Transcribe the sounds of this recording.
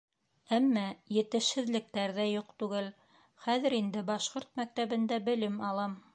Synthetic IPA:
æmːæjɘ̆t̪ɘ̆ʃhɘ̆ðlɘ̆k̚t̪æɾðæjuqt̪ʉɡɘl | χæðɘ̆ɾind̪ɘbɑʃqoɾt̪̚mæk̚t̪æβɘ̆nd̪æbɘ̆lɘmɑlˠɑm

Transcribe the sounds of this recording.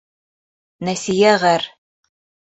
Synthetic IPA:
næsijæʁæɾ

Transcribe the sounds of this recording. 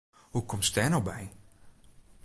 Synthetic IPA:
hukɔmstɛnɔbɛj

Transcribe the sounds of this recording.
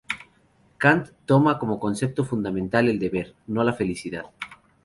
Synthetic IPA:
kant̪ːomakomokonsep̚t̪ofund̪amẽnt̪aleld̪eβeɾnolafe̞lisiðað

